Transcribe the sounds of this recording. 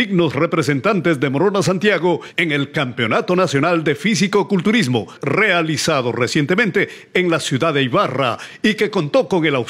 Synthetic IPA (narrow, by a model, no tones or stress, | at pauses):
iɡno̞sre̞pɾes̬e̞nt̪ant̪e̞zðe̞moɾonas̬ant̪jaɣo̞eŋe̞lkampeo̞nat̪o̞nasjo̞nald̪e̞fis̬iko̞kult̪uɾizmo̞̰re̞alisaðo̞̰resje̞nt̪e̞mẽnt̪e̞ː | ŋlasjuðaðeajβara̰ike̞ko̞nt̪o̞ko̞ŋe̞law